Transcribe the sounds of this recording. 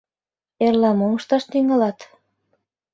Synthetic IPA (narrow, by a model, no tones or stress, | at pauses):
erlɑmomɤ̆ʃt̪ɑʃt̪yŋɑlɑt̪